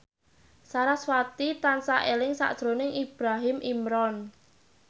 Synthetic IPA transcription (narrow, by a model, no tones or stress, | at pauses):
saɾaswat̪it̪ansaʔelɪŋsa̰ʔd̥ʒ̥ɾonɪŋib̥ɾaɦɪmʔimɾɔn